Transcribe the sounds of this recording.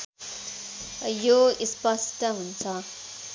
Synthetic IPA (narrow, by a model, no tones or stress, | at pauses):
joispʌsʈʌɦunt͡sʰʌ